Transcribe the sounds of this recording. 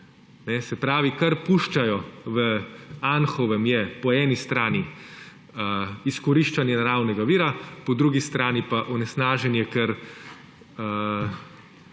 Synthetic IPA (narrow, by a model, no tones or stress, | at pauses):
nɛsɛpɾaːʋikaɾpuʃt͡ʃajɔʋəanxɔʋɛmjɛpɔɛːnist̪ɾaːni | əiskɔɾiʃt͡ʃanjɛnaɾaːwnɛɡaʋiːɾapɔd̪ɾuɡist̪ɾaːnipaʔɔnɛsnaːʒɛnjɛkɛɾ | ə